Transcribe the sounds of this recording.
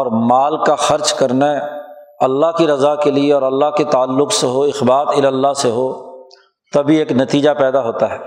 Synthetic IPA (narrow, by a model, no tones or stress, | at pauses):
ɔːɾmaːlkaxɐɾt͡ʃkɐɾna | ɐlːaɦkiɾɐzakelieɔːɾɐlːaɦket̪aːlːʊkseɦoɪxbaːt̪ɪləlːaseɦo | t̪ɐbʱieːknɐt̪iːd͡ʒapɛːd̪aɦoːt̪aɦɛː